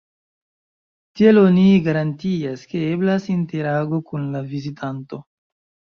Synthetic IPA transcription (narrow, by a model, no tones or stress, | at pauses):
tieloniɡaɾantiaske̞e̞blasinte̞ɾaɡo̞kunlavizitʰanto̞